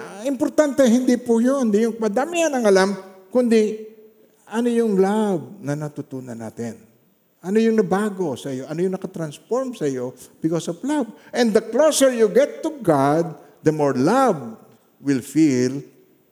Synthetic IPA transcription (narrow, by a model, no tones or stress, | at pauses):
ʔɪmpoɾt̪ant̪ɛɦɪnd̪ipʊjond̪ɪjʊŋpɐd̪amɪanɐŋɐlamkʊnd̪ɪ | ʔɐnojʊŋlab̚nɐnɐt̪ut̪uːnɐnːa̰ːt̪ɛn | ʔɐnojʊŋnɐbaːɡo̞sɐjo̞ʔɐnojʊŋnɐkɐt̪ɾɐnsfoɹmsɐjo̞b̥ɪkosovlabʔɛ̃nd̪ɐklosɛɹjuɡɛt̪ːʊɡad̪̚ | d̪ɐmoɹlab̚ | wɪlfil